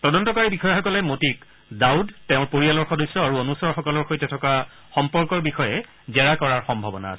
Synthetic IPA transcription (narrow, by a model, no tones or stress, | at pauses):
tɔdɔntɔkaɹibixɔjɛxɔkɔlɛmotik | dawdtɛʊ̃ɹpoɹijalɔɹxɔdɔsːɔaɹuonusɔɹɔxɔkɔlɔɹxojtɔtʰɔka | xɔmpɔɹkɔɹbixɔjɛ | zɛɹakɔɹaɹxɔmbʱabɔna̰ːs